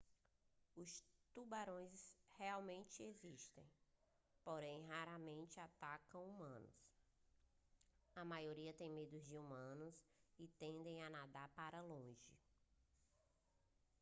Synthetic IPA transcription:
ʊst̪ubaɾõj̃ssheawmẽnt͡ʃɪeziʃt̪ḛ̃j̃ | poɾẽj̃ɦaɾɐmẽnt͡ʃɪat̪akɐ̃w̃umɐ̃nʊ̰s | ɐmajoɾiɐt̪ẽj̃med̪ʊzd͡ʒɪumɐ̃nʊsɪt̪ẽnd̪ẽj̃anad̪aɾpaɾɐlõʒɪ̰

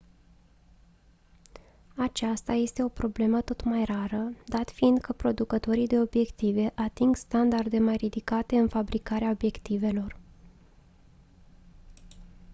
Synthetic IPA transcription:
at͡ʃast̪aje̞st̪e̞o̞pɾo̞ble̞mət̪o̞t̪majraɾəd̪at̪find̪̚kʰəpɾo̞d̪ukət̪o̞ɾijd̪e̞o̞bje̞kt̪ive̞ʔat̪iŋɡst̪and̪ard̪e̞majɾid̪ikat̪e̞ɨnfabɾikaɾeao̞bje̞kt̪ive̞lo̞r

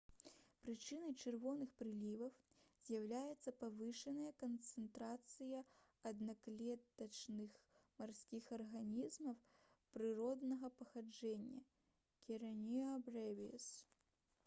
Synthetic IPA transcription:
pɾɨt͡ʂɨnɐjt͡ʂɨrvɔnɨxpɾɨlʲivɐw | z̥ʲjawlʲajɛt̪sːɐpavɨʂɐnɐjɐkɐnt̪sɨnt̪ɾat̪sɨjɐɐd̪naklʲɛt̪ɐt͡ʂnɨxmarsʲkʲixɐrɣanʲizmɐw | pɾɨɾɔd̪nɐɣɐpɐxad͡ʐɛnʲːɐ̰ | kʲiɾɐnʲiɐbrɛvʲis

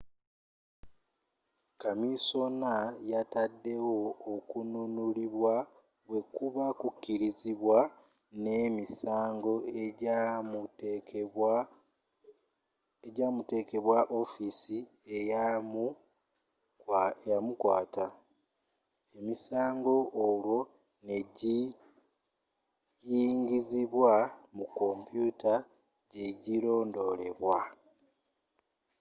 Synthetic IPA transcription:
kamiso̞najatadːe̞wo̞ːkununuliβwa | we̞kuβakukːiɾiziβwa | ne̞misaːŋɡo̞ | eɟaːmute̞ke̞βwaʔo̞fisi | emu | jamukwaːta | e̞misaːŋɡo̞ʔːlwo̞ | ne̞ɟi | jiːŋɡiziβwamukːo̞mpjuta | ɟe̞ɟilo̞ːndo̞le̞̰βwa

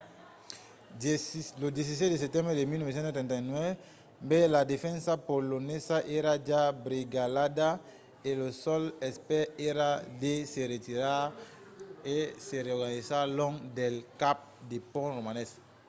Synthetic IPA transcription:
lod̪es̬is̬ɛt̪d̪es̬ɛp̚t̪ɛ̃mbɾed̪emilnɔvesɛ̃nt̪set̪ɛ̃nt̪anwɛv | belad̪efɛ̃nsapolonesaʔeɾad͡ʒabɾiɡalad̪a | elosɔlɛspɛeɾad̪eseɾet̪iɾa | eseɾeɔɡanizalɔ̃ŋd̪elkap̚d̪epɔ̃romanɛs

